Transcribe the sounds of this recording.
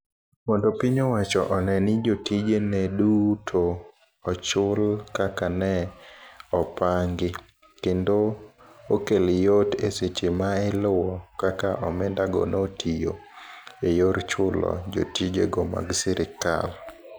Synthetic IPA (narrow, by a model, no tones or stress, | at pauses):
mɔndopiɲowat͡ʃɔʔɔnɛnɪd͡ʒotid͡ʒenɛdutʰo | ɔt͡ʃʊlkakanɛ | ɔpaŋɡɪ | kendookelɪjoteset͡ʃemaɛlʊwɔkakaʔɔmɪndaɡɔ̰notʰijo̰ | ejoɾt͡ʃʊlɔ̰d͡ʒo̰tid͡ʒḛɡɔma̰ɡsɪɾʔɪka̰l